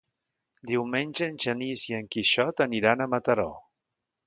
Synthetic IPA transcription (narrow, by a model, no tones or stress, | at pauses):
d̪iwmenʲʒəːnʲʒəniziəŋkiʃɔt̪əniɾanəmət̪əɾɔ̰